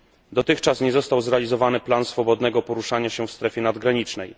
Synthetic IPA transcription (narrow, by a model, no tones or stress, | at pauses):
d̪ɔt̪ɘxt͡ʂasɲɛzɔst̪awzɾɛalʲizɔvanɘplansfɔbɔd̪nɛɡɔpɔɾuʂaɲaɕɛfst̪ɾɛfʲjɛnad̪ɡɾaɲit͡ʂnɛj